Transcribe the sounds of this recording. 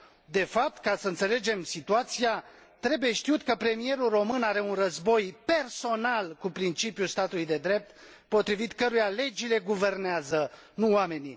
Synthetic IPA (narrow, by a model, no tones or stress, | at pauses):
d̪e̞fap̚t̪kasəɨnse̞le̞d͡ʒe̞msit̪uat̪sia | t̪ɾe̞buje̞ʃt̪iut̪kəpɾe̞mije̞ɾulro̞mɨnaɾe̞unrəzbo̞jpe̞rso̞nalkupɾint͡ʃipjust̪at̪ulujd̪e̞d̪ɾe̞p̚t̪ | po̞t̪ɾivit̪kəɾujale̞d͡ʒile̞ɡuve̞rneazənuwame̞ni